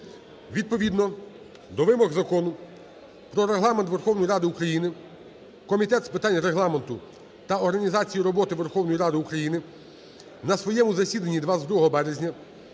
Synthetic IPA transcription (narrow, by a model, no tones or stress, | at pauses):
ʋʲid̪̚pɔʋʲid̪nɔ | d̪ɔʋɪmɔɣzɐkɔnʊ | pɾɔɾeɦlˠɑment̪ʋerxɔwnɔjiɾɑd̪ɪukɾɐjinɪ | kɔmʲit̪ɛt̪spɪt̪ɑnʲɾeɦlˠɑment̪ʊ | t̪ɐɔɾɦɐnʲizɑt͡sʲijiɾɔbɔt̪ɪʋerxɔwnɔjiɾɑd̪ɪukɾɐjinɪ | nɐsʋɔjɛmʊzɐsʲid̪ɐnʲːid̪ʋɑzd̪ɾuɦɔɦɔbɛɾezʲnʲɐ